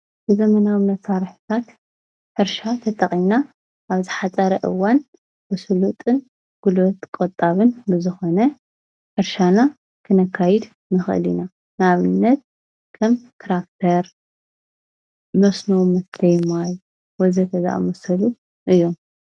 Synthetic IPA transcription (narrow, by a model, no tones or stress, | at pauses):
bɨzɐmɐnawɨnɐt̪saɾħɨ̥t̪ʰat̪ | ħɨɾʃat̪ʰɐt̪ʼɐχʼina | ʔaβzɨħat͡sʼɐɾɐʔɨ̰wan | bɨsɨlut̪ʼɨn | ɡ̥ulot̪kʼot̪ʼaβɨnbɨzɨxo̞nɐ | ħɨɾʃana | kʰɨnɐkʰːajɛd̪ | nɨxʔɨ̰lḭna | naβɨnːɐt̪̚ | kʰɐmt̪ʰɾakt̪ʰɐɾ | mɐsnumɐst̪ʰɐjmaj | wɔzɐk̪ʰɐza̰ʔmɐsɐlu | ʔɨjːo̞m